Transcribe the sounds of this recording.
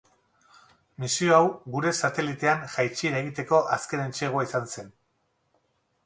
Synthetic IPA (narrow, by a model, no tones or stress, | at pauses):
misioawɣuɾe̞sat̪e̞lit̪e̞anʝajt͡ʃiɾaeɣit̪e̞ko̞ʔaske̞ne̞nt͡ʃeɣ̞oaisanse̞n